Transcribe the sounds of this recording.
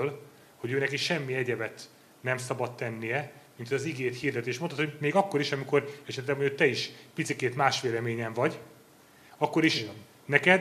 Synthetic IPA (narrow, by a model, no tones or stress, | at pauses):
l | ho̞ɟøːnɛkiʃɛmːiɛɟɛbɛt̪ | nɛmsɒbɒt̪ːɛnːijɛmint̪ʰojɒziɡeːt̪hiːrd̪ɛt̪eːʃmot̪ot̪homeːɡɒkːo̞ɾiʃɒmiko̞ɾɛʃɛt̪lɛɡmoot̪ɛiʃpit̪sikeːt̪maːʃʋeːlɛmeːɲɛɱvɒɟ | ɒkːo̞ɾiʃ | nɛkɛd̪